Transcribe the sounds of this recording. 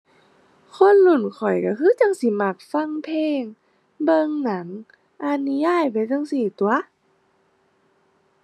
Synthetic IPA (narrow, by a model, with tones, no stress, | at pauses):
kʰo˧˥˨nlu˧˩nkʰɔ˨˩jka˧˩kʰɯː˧˥˨t͡ɕa˧˥˨ŋsi˧˦ma˧˩k̚fa˧˥˨ŋpʰeː˧˨ŋ | bɤ˧ŋna˨˩˦ŋ | ʔa˧˨nu˧jaː˧˥˨jpa˧˦jta˧˨ŋsi˧˩t̪u˧˨˦ɐ